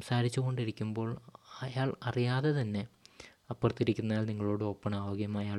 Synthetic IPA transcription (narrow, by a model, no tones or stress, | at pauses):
msaːɾit͡ɕːuɣo̞ɳɖiɾikʲːumbo̞ːɭɐjaːɭɐrijaːðe̞t̪ɐnːe̞ | ɐpːɐrt̪ːiɾikʲːunːaːlniŋːɐɭo̞ːɽɨo̞ːpːɐɳaːʋɐɡjɐmɐjaː